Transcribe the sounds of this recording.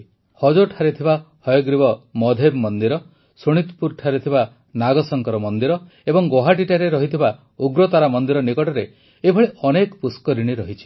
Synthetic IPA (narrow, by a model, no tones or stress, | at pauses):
hɔd͡ʒoʈʰaɾet̪ʰibahɔjɔɡɾibɔmɔd̪ʱebmɔnd̪iɾɔ | soɽ̃it̪puɾʈʰaɾet̪ʰiba | naɡɔsɔŋkɔɾɔmɔnd̪iɾɔ | ebɔŋɡoɦaʈ̬iʈaɾeɾɔɦit̪ʰiba | uɡɾɔt̪aɾamɔnd̪iɾɔnikɔʈɔɾe | ebʱɔɭiʔɔnekɔpuskɔɾiɽ̃iɾɔɦit͡ʃʰi̥